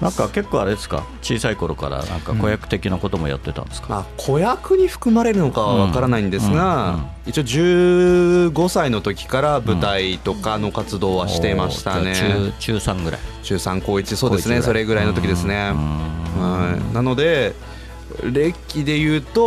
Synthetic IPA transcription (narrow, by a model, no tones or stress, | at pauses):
nãŋkake̞kːoːaɾe̞d̪e̞sɨ̥ka̰t͡ɕiːsaiko̞ɾo̞ka̰ɾa̰nã̰ŋka̰kojakɯ̟̥t̪e̞kʲinako̞t̪o̞moja̰t̪ːe̞t̪ã̰nd̪esɨ̥kaakʰo̞jakɯ̟ɲ̟iɸɯ̟̥kɯ̟maɾe̞ɾɯ̟no̞kaβaβakaɾanaĩnd̪e̞sɨɡa | it͡ɕiod͡ʑɨː | ɡo̞saino̞t̪o̞kʲi̥kaɾabɯ̟t̪ait̪o̞kano̞kat͡sɨd̪o̞ːβaɕi̥t̪e̞imaɕi̥t̪ane̞t͡ɕɨːsãŋɡɯ̟ɾa̰it͡ɕɨːsãŋko̞ːit͡ɕiso̞ːddesɨneso̞ɾe̞ɡɯ̟ɾaino̞t̪o̞kʲid̪e̞sɨne̞ | ɯ̟̃nano̞d̪e̞ | ɾe̞kʲːid̪e̞jɯ̟ːt̪o